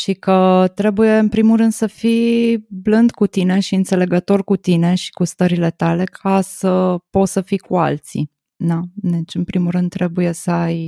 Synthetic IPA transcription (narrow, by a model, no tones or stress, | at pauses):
ʃikət̪ɾe̞buje̞ɨnpɾimuɾɨnd̪səfiblɨnd̪kut̪ine̞ʃiɨnt̪se̞le̞ɡət̪o̞rkut̪ine̞ʃi̥kust̪əɾile̞t̪ale̞kʰasəpo̞t̪səfikua̰lt̪sḭ | d̪ad̪et͡ʃɨnpɾimuɾɨnd̪̚t̪ːɾe̞buje̞səaj